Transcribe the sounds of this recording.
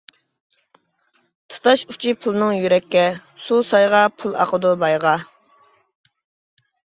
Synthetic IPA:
t̪ʰɨ̥t̪ʰɑʃu̥t͡ʃʰipʰulˠnɨŋjyɾɛkʲːɛsusɑjʁɑpʰulˠɑ̰qəd̪ubɑjʁɑ

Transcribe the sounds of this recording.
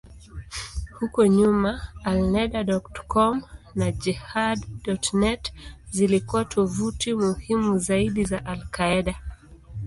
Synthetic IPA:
hukɔɲumaːlnɛɗaɗɔktkɔmnad͡ʒihadːɔtnɛtzilikuatʰɔvutimuhimuzaiɗizaʔalkaɛɗa

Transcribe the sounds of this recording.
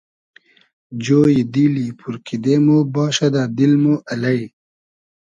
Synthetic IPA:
d͡ʑoːjid̪iːlipuɾkid̪eːmobɑːɕɐd̪aːd̪ilmoʔɐlɐj

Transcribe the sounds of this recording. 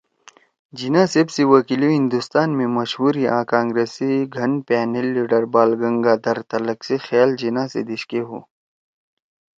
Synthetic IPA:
d͡ʒinãːsebsiwɐkiliɦĩnd̪ust̪aːnmẽmɐʃhuːɾiʔã̰ːkãːŋɡɾeːsiɡʱɐnpɛːnelːiːɖəɾbaːlɡɐŋɡaːd̪ɐɾt̪ɐlɐksexjaːld͡ʑinãsḛd̪iɕkeɦṵː

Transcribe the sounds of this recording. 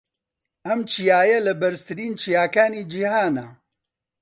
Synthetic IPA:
ʔɐmt͡ʃʰijaːjɛlɨbɐɾst̪ɨɾiːnt͡ʃʰijaːkaːniːd͡ʒihaːna

